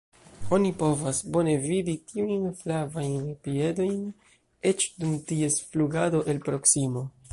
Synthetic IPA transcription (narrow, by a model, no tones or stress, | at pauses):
o̞nipo̞vasbo̞ne̞viditiujnflavajnpie̞do̞jn | e̞t͡ʃdumtie̞sfluɡado̞ʔe̞lpɾo̞ksimo̞